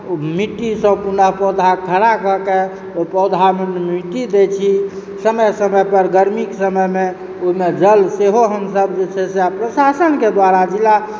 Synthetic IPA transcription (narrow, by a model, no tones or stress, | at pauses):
miʈːisə̃punəɦpɔd̪ʱakʰəɾakəke | opɔd̪ʱamenmiʈid̪et͡ʃʰi | səməjsəməjpəɾɡəɾmiksəməjme | omed͡ʒəlseɦoɦəmsəb̚d͡ʒet͡ʃʰɛseapɾəsasənked̪waɾad͡ʒila